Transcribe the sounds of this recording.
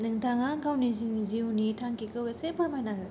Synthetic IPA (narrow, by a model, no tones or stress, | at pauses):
nɯŋtʰaŋaɡawniziŋziwunitʰaŋkikɯwesepaɾmajnaɡɯ